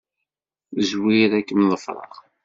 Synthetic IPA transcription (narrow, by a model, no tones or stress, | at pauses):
əzwiɾækːəmðˤəfɾˤɑ̰ʁ